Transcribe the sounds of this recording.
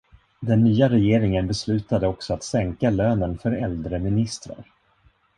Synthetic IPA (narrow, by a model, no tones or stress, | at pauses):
d̪ɛnːyːaɾɛjeːɾɪŋənbɛslʉ̟ːt̪ad̪əɔksɔat̪sɛŋkaløːnənfœɾɛld̪ɾəmɪnɪst̪ɾa̰ɾ